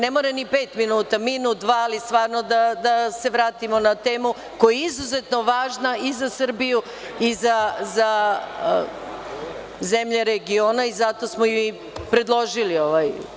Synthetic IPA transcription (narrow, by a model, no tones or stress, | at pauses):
nemoɾenipeːt̪minuːt̪aminuːt̪̚d̪ʋaːlist̪ʋaːɾnod̪ad̪ase̞ʋɾaːt̪imonat̪eːmu | kojeizuze̞t̪no̞ʋaːʒnaizasr̩biju | izaza | zemʎeɾeɡioːnaizat̪o̞smoji | pɾe̞d̪lˠo̞ʒilioʋaj